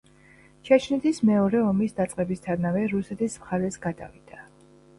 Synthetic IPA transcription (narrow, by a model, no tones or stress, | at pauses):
t͡ʃʰat͡ʃʰnɛt̪ʰismɛɔɾɛɔmisd̪at̪sʼqʼɛbist̪ʰaɾnavɛɾusɛt̪ʰismχaɾɛsɡad̪a̰vid̪̥a